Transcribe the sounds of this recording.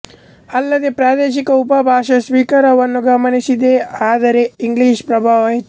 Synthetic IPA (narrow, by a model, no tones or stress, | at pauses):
ɐlːɐd̪epɾaːd̪eːʃ̬ikɐupɐbʱaːʃɐsʋiːkɐɾɐʋɐnːuɡɐmɐneʃid̪eaːd̪ɐɾeiŋɡliːʃpɾɐbʱaːʋɐɦe